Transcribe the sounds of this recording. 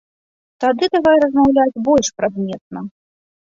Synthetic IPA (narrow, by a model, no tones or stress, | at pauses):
t̪ad̪ɨd̪avajɛɾɐzmawlʲad͡zʲbɔlʲʂpɾad̪mʲɛt̪̚nɐ